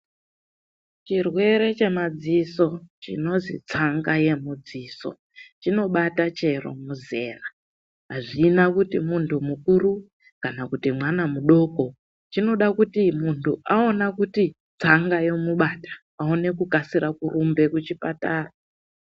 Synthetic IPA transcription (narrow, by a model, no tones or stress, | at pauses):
t͡ʃirwe̞ɾe̞t͡ʃe̞mad͡ziso̞t͡ʃḭno̞zḭt͡saŋɡaje̞mud͡ziːso̞̰ | t͡ʃino̞ɓatat͡ʃe̞ro̞̰muze̞ːra | ɦaʐinakutimuntʰumukuɾu | kanakutimwanamuɗo̞ko̞ | t͡ʃino̞ɗakutimuntʰuʔao̞nakuti | t͡saŋɡajo̞muɓatḁ | aone̞kukasiɾakurʔumbe̞kut͡ʃipataːra